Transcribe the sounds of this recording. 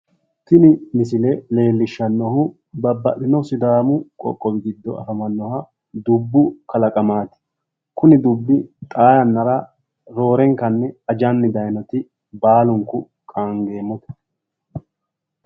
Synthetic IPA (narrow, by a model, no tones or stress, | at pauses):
t̪ɪnɪmɪsɪlɛle̞ːlːɪʃːɐnːɔhʊ | bɐbːɐʔɪnɔwsɪd̪aːmʊkʼɔ̰kʼːɔbɪɡɪd̪ːɔ̰ɐ̰fɐmɐnːɔhɐ | d̪ʊbːʊkɐlɐkʼɐmaːt̪ɪ̥ | kʊnɪd̪ʊbːɪt̪ʼaːjɐnːɐɾɐ | ɾo̞ːɾɛŋkːɐnːɛɐd͡ʒɐnːɪd̪ɐjnɔt̪ɪ | baːlʊŋkʊ | kʼaːŋɡe̞ːmːɔt̪ɐ̥